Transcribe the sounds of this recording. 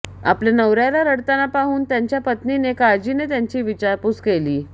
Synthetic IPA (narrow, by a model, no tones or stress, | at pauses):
a̰plenəʋɾjalaɾəɽt̪anapaɦuːnt̪jaɲt͡ɕjapət̪ninekad͡ʑinet̪jaɲt͡ɕiːʋit͡ɕaɾput͡skeliː